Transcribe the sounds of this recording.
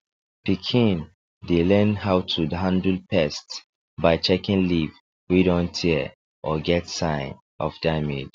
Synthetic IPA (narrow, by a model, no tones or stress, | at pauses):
pikʰĩn | delɛ̃nɦaʊtʰudɦãndl̩pʰɛst | baɪt͡ʃɛkĩnliv | widɔ̃ntʰi | ʔɔɡɛtsãɪ̃n | ɔfd̥amḭd̥